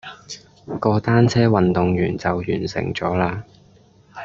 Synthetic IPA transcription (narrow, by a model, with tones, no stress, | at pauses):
kɔː˧t̪aː˥nt͡sʰɛː˥wɐ˨nt̪ʊ˨ŋjyː˨˩nt͡sɐ˨wjyː˨˩nsɪ̰˨˩ŋt͡sɔː˨˥laː˧